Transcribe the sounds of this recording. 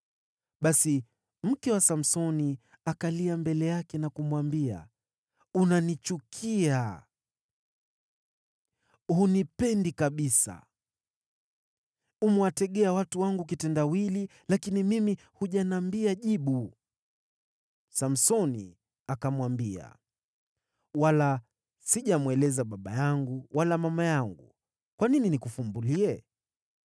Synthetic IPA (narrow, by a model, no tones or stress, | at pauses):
ɓasi | m̩kɛwasam̩sɔni | akaliambɛlɛjakɛnakumwambia̰ | unanit͡ʃukʰia | hunipɛndikaɓisa̰ | umuwatɛɠɛawatuwaŋɡuk̬itɛndawili | lakinimimi | huʄanaːmbiaʄiɓu | sam̩sɔnḭ | akamwambia̰ | wala | siʄamuwɛlɛzaɓaɓajaŋɡuwalamamajaŋɡṵ | kwanininikufumbuliɛ